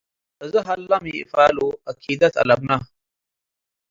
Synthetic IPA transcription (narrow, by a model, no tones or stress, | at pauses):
əzəɦɐlːɐmḭfaːluɐkʰid̪ɐt̪ʰɐ̰lɐbna